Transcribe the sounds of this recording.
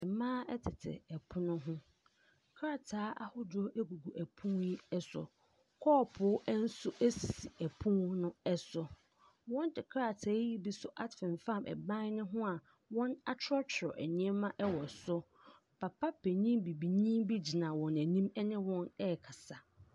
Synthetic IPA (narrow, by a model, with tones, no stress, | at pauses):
ɛ˨mãː˦ɛ˦tʰɪ˨tʰɪ̰˨ɛ˨pʰʊ˦nʊ̃˦ɦʊ̃˦ | kʰɾa˦tʰaː˨˦ʔa˦hʊ˦dɔ˦ʔæ˦ɡu˨ɡu˨ʔæ˨pʰũ˦nji˦ɛ˦sʊ̰˨ | kʰɔː˦pʰʊ˨˦ʔn̩˦sʊ˦ʔæ˦si˨si˨æ˨pʰʊ̃˦nʊ̃˦ɛ˦sʊ˨ | wɔ̃˦ndɪ˨kʰɾa˦˨tʰaː˨˦ji˦bi˦sʊ˦ʔa˦tfɪ̃˨nfã˦˨mʔɛ̰˨bã˦nɪ̃˦ɦʊ̃˦a˨ | wɔ̃˦na˦t͡ɕʰɪ˦ɾɔ˦t͡ɕʰɾɔ̰˨ʔæ˨ɲĩ˦ɛ̃˦mã˦ʔɛ˦wɔ˨sʊ˦ | pʰa˨pʰa˦pʰe˨ɲĩ˦bi˨bi˨ɲĩ˦bi˦d͡ʑi˨nã˨wɔ̃˨næ˨nĩ˦mɛ˦nɪ̃˦wɔ̃˦nɛ˦˨kʰa˨sa˨